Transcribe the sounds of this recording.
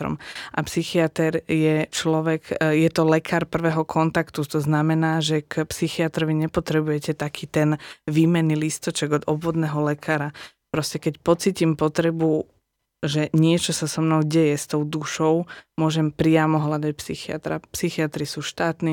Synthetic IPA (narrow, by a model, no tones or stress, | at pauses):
ɾɔ̰mʔapsixiat̪ɛɾjɛt͡ʃlɔʋɛkjɛt̪ɔlɛkʰaːɾpr̩ʋɛːɦɔkʰɔnt̪akt̪ut̪ɔznamɛnaːʒɛkpsixiat̪ɾɔʋiɲɛpɔt̪ɾɛbujɛcɛt̪akʰiːt̪ɛnʋiːmɛnːilist̪ɔt͡ʃɛɡɔd̪ɔbʋɔd̪nɛːɦɔlɛkʰaːɾa | pɾɔscɛkɛcpɔt͡siːcimpɔt̪ɾɛbu | ʒɛɲɪɛt͡ʃɔsasɔmnɔʊɟɛjɛst̪ɔʊd̪uʃɔʊmʊɔʒɛmpɾɪamɔɦlad̪ac̚psixia̰t̪ɾa̰psixiat̪ɾisuːʃt̪aːt̪ni